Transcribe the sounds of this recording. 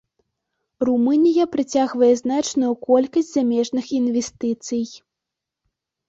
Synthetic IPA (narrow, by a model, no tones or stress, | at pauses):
rumɨnʲijɐpɾɨt͡sʲaɣvɐjɛznat͡ʂnujukɔlʲkɐsʲtʲz̥amʲɛʐnɨxinvʲɛst̪ɨt̪sɨj